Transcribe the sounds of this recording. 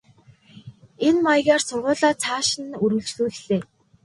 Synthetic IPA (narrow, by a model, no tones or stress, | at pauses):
enmajɣaːrsʊrʁʊːɮaːt͡sʰaːʃɪ̆nɵɾɵ̆ɮt͡ɕɮuːɮɮeː